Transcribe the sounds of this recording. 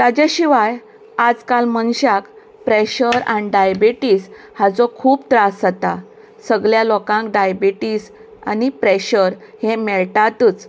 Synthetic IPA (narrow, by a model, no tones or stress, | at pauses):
t̪ad͡ʑaɕiʋaj | ad͡zkalmənɕak | pɾeɕəɾaniɖajbiʈiːs | had͡zɔkʰuːp̚t̪ɾasət̪a | səɡljalɔkãŋkɖajbiʈiːsa̰nipɾeɕəɾhẽmɛɭʈat̪uːt͡s